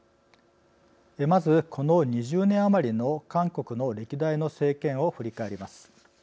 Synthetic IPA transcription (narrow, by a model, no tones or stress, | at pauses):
emazɨkʰo̞noɲ̟iʑɨːnẽ̞ɰ̃amaɾʲino̞kãŋko̞kɯ̟no̞ɾe̞kʲid̪aino̞se̞ːkẽ̞ɰ̃o̞ɸɯ̟ɾʲikaeɾʲimasɨ̥